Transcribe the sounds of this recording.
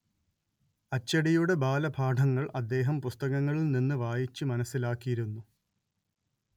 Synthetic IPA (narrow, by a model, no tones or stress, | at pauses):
ɐt͡ɕːɐɽijuɽe̞bʱaːlɐbʱaːʈʰɐŋːɐɭʔɐd̪ːe̞ːɦɐmpust̪ɐɣɐŋːɐɭilninːɨʋaːjit͡ɕːɨmɐnɐsːilaːkːijiɾunːu